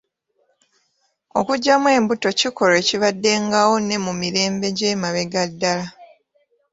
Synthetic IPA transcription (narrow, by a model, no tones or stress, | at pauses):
o̞̰kuɟːamwe̞ːmbuto̞ciko̞ɾe̞ːciβadːe̞ŋɡawo̞ne̞mumiɾe̞ːmbe̞ɟeːmaβeɡadːala